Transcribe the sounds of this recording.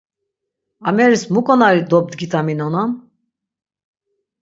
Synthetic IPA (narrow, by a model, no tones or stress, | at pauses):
amɛɾismukʼɔnaɾid̪ɔb̚d̪ɡit̪ʰʼaminɔnam